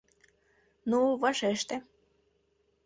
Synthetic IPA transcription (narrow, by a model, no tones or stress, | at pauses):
nuβɑʃeʃt̪ĕ